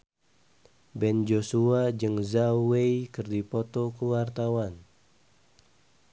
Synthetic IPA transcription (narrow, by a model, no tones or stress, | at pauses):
bɛnd͡ʒosuad͡ʒɨŋzawejkɨrdipɔt̪ɔkəwart̪awan